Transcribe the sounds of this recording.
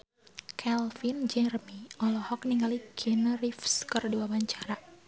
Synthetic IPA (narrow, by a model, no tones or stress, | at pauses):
kʰɛlfind͡ʒɛrmiɔlɔhɔk̚niŋɡalikʰinrifskərduabaɲt͡ʃaɾa